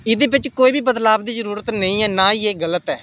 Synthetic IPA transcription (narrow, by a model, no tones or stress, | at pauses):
ɪd̪eːbɪt͡ʃkoːiːbʱiːbəd̪laːʋd̪iːzəɾuːɾət̪nəĩːɛːnaːiːeːɡələt̪ɛː